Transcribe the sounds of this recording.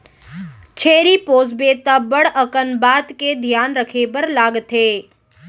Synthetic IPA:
t͡ʃʰeɾipoːsbet̪əbəɽəkənbat̪ked̪ʱjanɾəkʰebəɾlaːɡt̪ʰe

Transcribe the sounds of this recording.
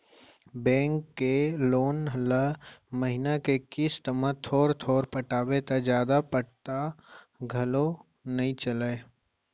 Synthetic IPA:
bɛ̃ːŋkːeloːnɦləməɦɪnakekɪst̪əmət̪ʰoːɾt̪ʰoːɾpəʈaːbet̪ad͡ʒjaːd̪apəʈt̪a | ɡʱɐlo | nɐɦĩt͡ʃələ

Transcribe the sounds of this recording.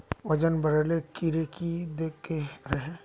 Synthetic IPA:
ʋɐd͡ʒənbɐɽlekiɾekid̪eːkːeɾɐɦẽ

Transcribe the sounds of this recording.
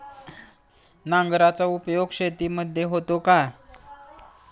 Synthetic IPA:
nãŋɡɾat͡saupjoɡɕet̪iːməd̪ʱjeɦot̪oka

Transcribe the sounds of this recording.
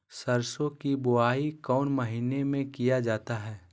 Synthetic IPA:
sɐɾsõkibʊaːikɔːnməɦiːnemẽkijad͡ʒaːt̪aɦɛː

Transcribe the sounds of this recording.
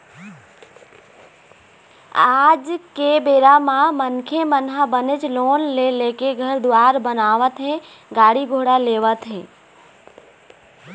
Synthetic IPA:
aːd͡ʒkebeːɾamãmənkʰemənɦabənɪt͡ʃloːnleleːkeɡʱəɾd̪ʊaːɾbənaːʋət̪ɦẽ | ɡaːɽiɡʱoːɽaleːʋət̪ɦḛ̃ː

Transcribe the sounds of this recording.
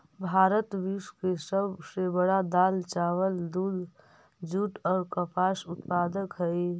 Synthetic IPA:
bʱaːɾət̪ʋiskesəbsebəɽad̪aːlt͡ʃaːwəld̪uːl | d͡ʒuːʈɔːɾkəpʰaːsʊt̪paːd̪əkɦɛi

